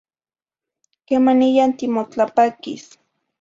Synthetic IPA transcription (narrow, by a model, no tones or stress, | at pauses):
kemanijant̪imot͡ɬapakḭs